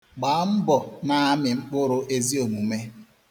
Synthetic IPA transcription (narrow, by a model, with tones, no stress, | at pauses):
ɡ͡ba˨˦m̩˦bɔ˨na˦a˦mɪ˨ŋ͡m̩˦k͡pʊ˦ɾʊ˦ʔe˦zi˦o˨mu˨me˦